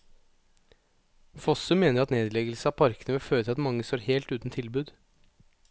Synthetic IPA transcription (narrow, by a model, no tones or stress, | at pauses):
fɔsʉmeːnəɾɑt̪neːd̪lɛɡəl̩səɑːpʰɑɾkənəʋɪlføːɾət̪ʰɪlɑt̪mɑŋːəst̪oːɾheːlt̪ʉːt̪n̩t̪ʰɪlbʉːd̪